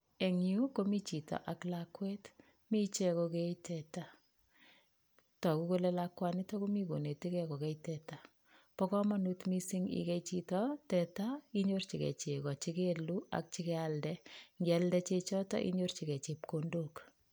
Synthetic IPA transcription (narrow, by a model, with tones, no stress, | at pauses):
e˨ŋu˦ko˦mi˦t͡ʃi˨tɔ̰˨ʔa˨klakwɛ˦t | mi˦t͡ʃe˦kokeitɛta˦ | tɔ˨ku˦ko˦lelakwani˦tɔku˦mi˦ko˨ne˨ti˦kɛko˨kɛ˦itɛta˨ | pɔ˦kɔ˦ma˦nu˦tmi˦si˦ŋḭkɛ˦it͡ʃitɔtɛ˨ta˦iɲort͡ʃikɛ̰˨t͡ʃe˨kɔ˨t͡ʃikelu˦a̰k̚t͡ʃi˦kɛ˦aldɛŋɡa˦ldɛ˦t͡ʃe˦t͡ʃɔ˦tɔ̰˦ʔḭ˦ɲo˦rt͡ʃi˨kɛ˨t͡ʃe˨p̚kondok